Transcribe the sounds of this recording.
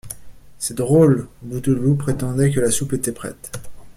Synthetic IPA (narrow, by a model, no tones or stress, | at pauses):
sɛd̪ʁolbut̪əlupχet̪ɑ̃d̪ɛk̬əlasupet̪ɛpχɛ̰t̪